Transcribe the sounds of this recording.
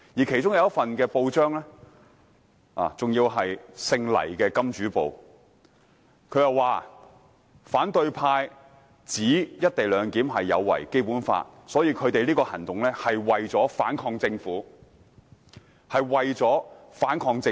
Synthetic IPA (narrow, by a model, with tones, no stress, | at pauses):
jiː˨˩kʰt͡sʊ˥ŋjɐ˨˧wɐ˥tfɐ˨nkɛː˧po˧wt͡ʃœː˥ŋlɛː˥ | a̰ː˨t͡sʊ˨ŋjiː˧wɦɐ˨jsɪ˧ŋlɐ̰˨˩jkɛː˧kɐ˥mt͡ʃyː˨˥po̰˨w | kʰɵ˨˧ɥjɐ˨waː˨ | faː˨˥nt̪ɵ˧ɥpʰaː˧j | t͡siː˨˥jɐ˥t̚t̪e˨jlœː˨˧ŋkiː˨˥mɦɐ˨jːɐ̰˨˧wːɐ̰˨˩jke˥jpuː˨˥nfa̰ː˧t̚sɔː˨˥jiː˧kʰɵ˨˧ɥt̪e˨liː˥kɔː˧hɐ˨˩nt̪ʊ˨ŋlɛː˥hɐ˨jwɐ˨jt͡sɔː˨˥fa̰ː˨˥nkʰɔː˧ŋt͡sɪ˧ŋfuː˨˥ | hɐ˨jwɐ˨jt͡sɔː˨˥faː˨˥nkʰɔː˧ŋt͡sɪ˧